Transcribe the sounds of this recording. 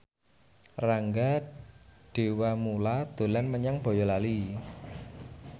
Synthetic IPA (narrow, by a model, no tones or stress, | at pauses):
raŋɡa | ɖ̥e̤wamulad̪̥o̤lanməɲaŋb̥ɔ̤jɔlali